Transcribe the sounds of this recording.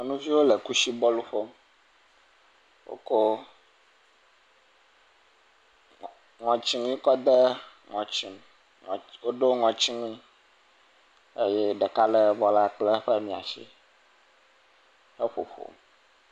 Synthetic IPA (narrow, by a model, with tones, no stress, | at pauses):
nũ˦vi˦wo˦le˨ku˦ʃi˦bɔ˦lu˦ɸo˦m | wo̰˦ko˦ | ŋɔ̃˨t͡ɕi˦ŋũ˦i˦kɔ˦d̪e˦ | ŋɔ̃˨t͡ɕi˦m˨ | wo˦ɖo˦ŋɔ̃˨t͡ɕi˦ŋũ˦i˦ | e˦jɛ˦ɖɛ˨ka˦lɛ˦bɔ˦la˦˨k͡ple˦ɸe˦mĩ˨a̰˨ʃḭ˦ | he˦ɸo̰˨ɸo̰˨m